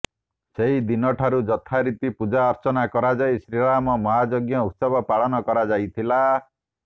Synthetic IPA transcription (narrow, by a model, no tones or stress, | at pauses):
seɦid̪inɔʈʰaɾud͡ʒɔt̪ʰaɾit̪ipud͡ʒaɔɾt͡ʃɔnakɔɾad͡ʒajsɾiɭamɔmɔɦad͡ʒoɡjɔut̪sɔbʱɔpaɭɔnɔkɔɾad͡ʒajt̪ʰila